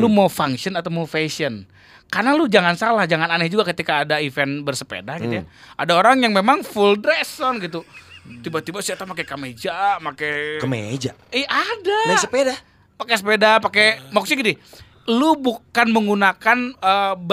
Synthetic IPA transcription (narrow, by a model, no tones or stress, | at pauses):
lumafaŋʃiənat̪awmaufesiən | karnalud͡ʒaŋansalahd͡ʒaŋananɛhd͡ʒuɡakət̪ikaːdaifɛnbərsə̥pḛdahɡit̪ujaʔa̰daoɾaŋjaŋmemaŋfuldɾesɔnɡit̪ut̪ibat̪ibasiat̪amakekamed͡ʒamakekəmḛd͡ʒa | iʔadaasəpeda | pakesəpedapakemɔksiɡidi | lubukanməŋɡunakanəb